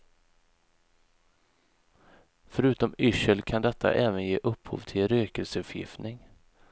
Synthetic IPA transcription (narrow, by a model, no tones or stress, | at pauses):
fœɾʉ̟ːt̪ɔmʏʂəlkʰand̪ɛt̪ʰːa̰ʔɛːvənjeːʔɵphṵːvt̪ʰɪlɾøːkəlsəɵpʰjɪ̰ft̪nɪŋ